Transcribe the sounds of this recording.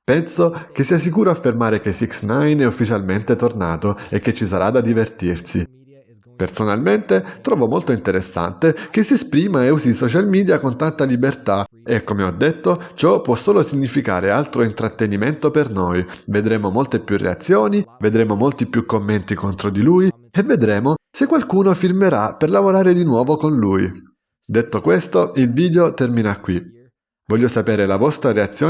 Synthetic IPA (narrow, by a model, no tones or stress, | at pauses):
pɛnsokesːiːas̬ikuːɾoafːermaːɾek̟esiksnajnɛufːit͡ʃalment̪et̪orna̰ːt̪oekːet͡ʃːisaɾad̪ad̪ivert̪irsi | personalment̪et̪ɾɔːvomolt̪oint̪eɾesːa̰nt̪ek̟esiespɾiːmaeuzisɔt͡ʃalmiːd̪jakont̪ant̪alibert̪a | ekːomeɔd̪ːet̪ːot͡ʃɔpwɔsːoːlosiɲːifika̰ːɾealt̪ɾoint̪ɾat̪ːeniment̪opernojved̪ɾeːmomolt̪epjurːḛa̰t̪sːjoːnived̪ɾeːmomolt̪ipːjukːomːent̪ikont̪ɾod̪iluːj | eved̪ɾeːmosekːwalkuːnofirmeɾaperlavoɾaːɾed̪inwɔːvokonluːj | d̪et̪ːokwest̪oilviːd̪eot̪ɛrminakːwi | vɔʎːosapeːɾelavɔst̪ɾaɾeat̪sːjoː